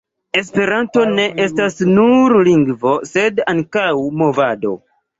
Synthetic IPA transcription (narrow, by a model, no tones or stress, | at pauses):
e̞s̬pe̞ɾanto̞ne̞ʔe̞stasnuɾliŋɡvo̞se̞daŋkawmo̞vado̞̰